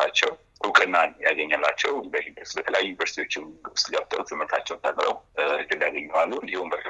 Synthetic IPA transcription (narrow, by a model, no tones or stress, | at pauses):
at͡ʃːɛw | hukʼɨnːanjaɡəɲːalːat͡ʃːɛwbəhid̪əsbət̪ʰələjajːujunivəɾsi̥t̪ʰiwo̞t͡ʃːɪnst̪ɡəbt̪ʼə̰lt̪ʰɨmːɨɾt̪ʰat͡ʃːɛwt̪ʰakʼɾə̰wɨkɨd̪jaɡəɲːɛwalːuɨnd̪ihumbək